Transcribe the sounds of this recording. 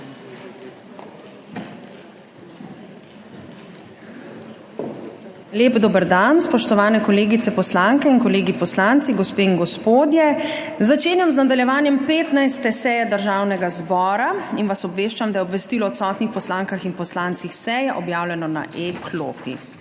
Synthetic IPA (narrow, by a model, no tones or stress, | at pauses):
leːbd̪oːbəɾd̪anspɔʃt̪ɔʋaːnɛkɔleːɡit̪ɛpɔslaŋkɛinkɔleːɡipɔslant̪siɡɔspeːinɡɔspoːd̪jɛ | zat͡ʃeːnjamznad̪aljɛʋaːnjɛmpeːt̪najst̪ɛsɛːjɛd̪əɾʒaːwnɛɡazbɔːɾainʋasɔbʋeːʃt͡ʃamd̪ajɛɔbʋɛst̪iːlɔːt̪sɔːt̪nixpɔslaːŋkaxinpɔslant̪sixsɛjɛʔɔbjaːwlɛnɔna̰ʔekʰlo̰ːpḭ